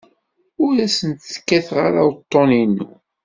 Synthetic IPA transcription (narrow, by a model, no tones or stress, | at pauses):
ʊɾæsənt̪θə̥kːæθʁa̰ɾawt̪ˤːoninːṵ